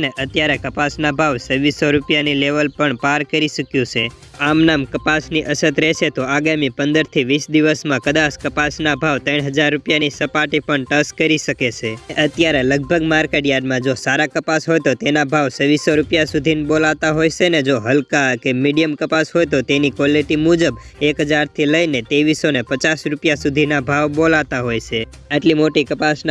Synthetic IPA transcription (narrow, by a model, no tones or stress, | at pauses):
neʔət̪jaɾekəpasnabʱaʋsəʋisoɾupjanileʋəlpəɳpaɾkəɾiʃəkjũt͡ʃʰe | amnamkəpasniʔəsət̪ɾeʃʰet̪oaɡamipənd̪əɾt̪ʰiʋisd̪iʋəsmãkəd̪askəpasnabʱaʋt̪əɳɦəd͡ʒaɾːupjanisəpaʈipəɳʈəskəɾiʃəket͡ʃʰeʔət̪jaɾeləɡ̚bʱəɡmaɾkeʈjaɖmãd͡ʒosaɾakəpasɦojt̪ot̪enabʱaʋsəʋisoɾupjasud̪ʱinbolaʋt̪aɦojʃened͡ʒoɦəlkakemiɖijəmkəpasɦojt̪ot̪enikɔliʈimud͡ʒəbekɦəd͡ʒaɾt̪ʰiləinet̪eʋisonepət͡ʃasɾupjasud̪ʱinabʱaʋbolaʋt̪aɦojt͡ʃʰe | əʈlimoʈikəpasn